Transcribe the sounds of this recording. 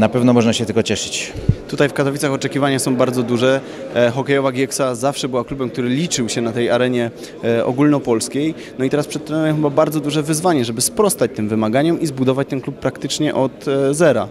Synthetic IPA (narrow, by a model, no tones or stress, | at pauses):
napɛvnɔmɔʐnaɕɛt̪ɘlkɔt͡ɕɛʂɘ̥t͡ɕt̪ut̪ajfkat̪ɔvʲit̪saxɔt͡ʂɛkʲivaɲasɔ̃w̃baɾd̪zɔd̪uʐɛ | xɔkɛjɔvaɡʲjɛksazafʂɛbɘwaklubɛmkt̪uɾɘlʲit͡ʂɘwɕɛnat̪ɛjaɾɛɲɛ | ʔɔ̰ɡulnɔpɔlskʲej | nɔit̪ɛɾaspʂɛt̪t̪ɔnɔjɛxɘbabaɾd̪zɔd̪uʐɛvɘzvaɲɛʐɛbɘspɾɔst̪at͡ɕt̪ɘmvɘmaɡaɲɔmʔizbud̪ɔvat͡ɕt̪ɛnklupːɾakt̪ɘt͡ʂɲɛʔɔt̪zɛɾa̰